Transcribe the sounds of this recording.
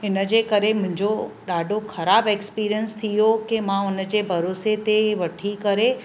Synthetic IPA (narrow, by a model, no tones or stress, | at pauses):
ɪnə̆d͡ʑeːkɐɾemʊ̃ɦɪ̃ɲd͡ʑoɗaːɖʱoxɐɾaːbeːkspiːɾijənst̪ʰijokemãʊnə̆d͡ʑeːbʱɐɾoːset̪eʋɐʈʰikɐɾe